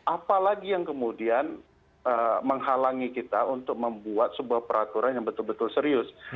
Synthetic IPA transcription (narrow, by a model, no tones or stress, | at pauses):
ʔapalaɡijaŋkəmudian | əməŋɦalaŋikit̪aunt̪ʊk̚məmbuat̪̚səbuahpəɾat̪uɾanjaŋbət̪ʊlbət̪ʊlsəɾiʊs